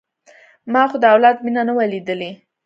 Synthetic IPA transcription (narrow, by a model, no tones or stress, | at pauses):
mɑxod̪əawlɑd̪minanəwalid̪əle